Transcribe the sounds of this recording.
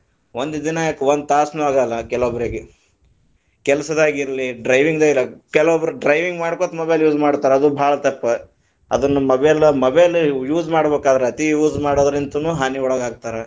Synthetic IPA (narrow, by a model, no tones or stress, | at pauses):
ond̪d̪inɐjakːʋond̪̚t̪aːsnuːaːɡɐlːɐkɛlʋobɐɾiɡe | kɛlsɐd̪aːɡiɾɐliɖɾɐjʋiŋɡd̪ɐjilɐkɛlʋobɐɾuɖɾɐjʋiŋɡmaːɽkot̪mɐbejljuːd͡ʒmaːɽt̪aːɾeɐd̪ubʱaːɭɐt̪ɐpːɐ | ɐ̰d̪ɐnːumɐbeɐlːɐmɐbeljuːd͡ʒmaːɽbeːkaːd̪ɐɾeɐt̪ijuːd͡ʒmaːɽoːd̪ɐɾint̪unuːɦaːniɔɭɐɡaːɡ̚t̪aːɾe